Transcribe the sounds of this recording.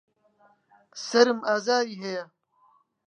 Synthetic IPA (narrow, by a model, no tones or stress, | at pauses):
sɐɾmaːzaːɾiɦeja